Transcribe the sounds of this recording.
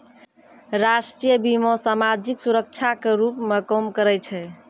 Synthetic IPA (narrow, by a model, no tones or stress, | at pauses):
ɾasʈɾijəbimosamad͡ʒiksuɾək̚t͡ʃʰakeɾupmekɔmkəɾɛt͡ʃʰɛ